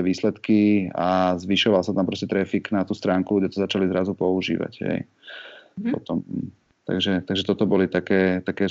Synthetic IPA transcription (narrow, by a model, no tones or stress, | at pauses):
ɛʋiːslɛt̪kiazʋiʃɔʋalsat̪ampɾɔscɛt̪ɾɛfiknat̪uːst̪ɾaːŋkuɡɟɛt̪ɔzat͡ʃalizɾazupɔuʒḭːʋa̰ɟɦɛ̰j | pɔ̰t̪ɔm | t̪a̰ɡʒɛt̪aɡʒɛt̪ɔt̪ɔbɔlit̪akɛːt̪akɛː